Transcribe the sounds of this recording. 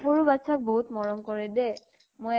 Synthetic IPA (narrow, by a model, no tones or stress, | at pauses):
xoɹubatsʰak̚boɦut̪mɔɹɔmkoɹɛdɛ | moj